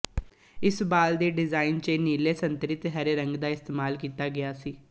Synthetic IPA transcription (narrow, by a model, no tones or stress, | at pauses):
ɪsbaːld̪eːɖɪzaːɪnt͡ʃeniːleːsənt̪ɾɪt̪ɦəɾeːɾəŋɡd̪aːɪst̪eːmaːlkiːt̪aːɡɪjaːsiː